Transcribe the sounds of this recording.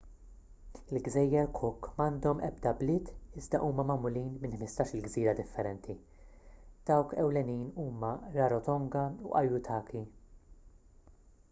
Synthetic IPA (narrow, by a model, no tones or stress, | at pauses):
ɪlɡzɛjːɛɾkʰʊkːmɐːnd̪ɔmʔɛ̰b̚d̪ɐblɪːt̪ɪzd̪ɐʔuːmɐmɐmʊliːnmɪnħmɪst̪ɐːʃɪlɡziːɾɐd̪ɪfːɛɾɛnt̪ʰi | d̪̥ɐwkɛwlɛniːnuːmɐɾɐɾɔt̪ɔŋɡɐṵʔɐjʊt̪ʰɐːki